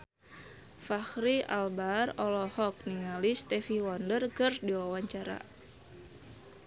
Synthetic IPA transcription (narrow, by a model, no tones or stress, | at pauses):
faxɾia̰lbarɔlɔhɔk̚niŋalist̪ɛfiwɔndərkɨrdiwawaɲt͡ʃaɾa̰